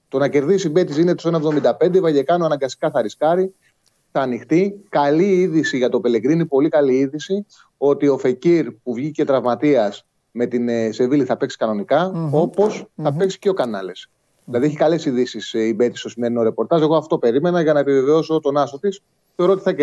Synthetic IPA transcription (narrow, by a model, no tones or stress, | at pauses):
t̪o̞nɐce̞ɾðisibe̞t̪isinet̪osenɐoevðo̞mind̪ɐpe̞nd̪evɐʝe̞kɐnoɐnɐŋɡɐst̪i̥kɐθɐɾiskɐɾi | θɐːnixt̪ikɐliiðisiʝɐt̪o̞pele̞kɾinipo̞likɐliiðisi | o̞t̪io̞feciɾpuvʝice̞t̪ɾɐvmɐt̪iɐs | me̞t̪inse̞viliθɐpe̞ksi̥kɐno̞nikɐo̞po̞sθɐpe̞ksi̥ceo̞kɐnɐle̞s | ilɐðieçikɐle̞siðisisibe̞t̪ist̪o̞sime̞ɾino̞ɾe̞po̞ɾt̪ɐze̞ɣo̞ɐft̪o̞pe̞ɾime̞nɐʝɐnɐepive̞ve̞o̞so̞t̪o̞nɐst̪o̞t̪is | θe̞o̞ɾoot̪i̥θɐ